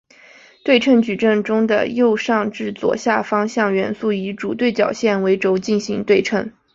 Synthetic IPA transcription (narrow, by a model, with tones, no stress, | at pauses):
t̪we˥˧ɪʈ͡ʂʰə˥˩nt͡ɕy˨˩ʈ͡ʂə˥˩ŋʈ͡ʂʊ˥ŋd̪ə̰˨jo˥˧ʊʂɑ˥˧ŋʈ͡ʂɻ̩˥˩t͡swɔ̰˨˩ɕja˥˩fɑ˥ŋɕjɑ˥˩ŋɥɛ˧˥nsu˥˩i˧˥ʈ͡ʂu˨˩t̪we˥˩ɪt͡ɕjɑ˨˩ʊɕjɛ˥˩nwe˧˥ɪʈ͡ʂo˧˥ʊt͡ɕi˥˩nɕi˧˥ŋt̪we˥˧ɪʈ͡ʂʰə˥˩n